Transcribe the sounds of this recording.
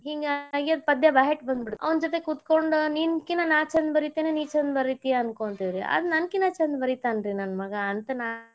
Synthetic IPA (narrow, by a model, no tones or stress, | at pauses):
ɦiːŋɡaɡiɐd̪pɐd̪jɐbaːɦeʈbɐnd̪biɽɐ̰ʋɐnd͡ʒoːt̪ekut̪ko̞ɳɖninkinɐnaːt͡ʃɐnd̪bɐɾit̪eːneniːt͡ʃɐnd̪bɐɾit̪ijaɐnkoɳt̪id̪ɾiɐ̰d̪nɐnkinat͡ʃɐnd̪bɐɾit̪aːnɾinɐnmɐɡɐːnt̪ɐnaː